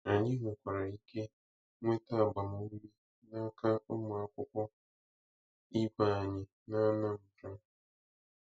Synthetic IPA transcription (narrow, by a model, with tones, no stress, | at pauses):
a˨ɲɪ̃˦ŋʷʊ˨kʷa˨ɾa˨i˦kʰe˦ | ŋʷ˦e˦ta˦˨ɡ͡ba˨mʊ˨˦mi˦ | nã˦kʰa˦o˦mʊ̃˨a˨kʷʊ˦kʷɔ˦ | i˦ba˨ɲɪ̃˨ | nã˦nã˦˨m̩˨tʊ˦˨